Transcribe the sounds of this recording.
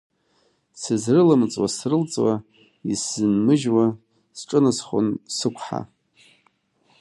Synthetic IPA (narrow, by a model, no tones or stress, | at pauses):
sɨzrɨlɨmt͡sʼwasrɨlt͡sʼwa | isɨnmɨʒwa | sʈ͡ʂʼɨnɨsχʷo̰nsɨkʷʰħa̰